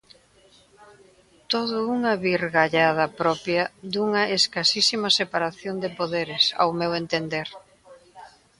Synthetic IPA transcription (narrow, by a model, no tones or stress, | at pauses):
t̪oðʊuŋɐβiɾɣaʎað̞ɐpɾɔpjɐðuŋɐeskasisimɐsepaɾaθjond̪ɪpoðeɾɪsa̰wmewent̪end̪eɾ